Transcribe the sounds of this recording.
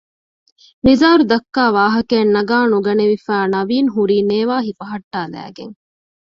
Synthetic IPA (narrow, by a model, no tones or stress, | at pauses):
mizaːɾud̪ɐkːaːʋaːɦɐkeːnːɐɡaːnuɡɐneʋifæːnɐʋiːnɦuɾiːneːʋaːɦifɐɦɐʈːaːlæ̰ːɡḛŋ